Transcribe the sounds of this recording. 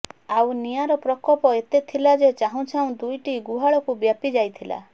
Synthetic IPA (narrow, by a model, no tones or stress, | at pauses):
awnijaɾɔpɾɔkɔpɔet̪et̪ʰilad͡ʒet͡ʃaɦũt͡ʃʰãũd̪ujʈiɡuɦaɭɔkubjapid͡ʒajt̪ʰila̰